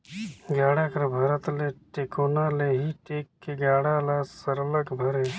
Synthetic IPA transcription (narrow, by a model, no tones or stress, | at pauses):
ɡjaːɽakəɾbʱɐɾət̪leʈeːkoːnaːleːɦiʈeːkːeɡaːɽaːlasəɾələɡbʱəɾe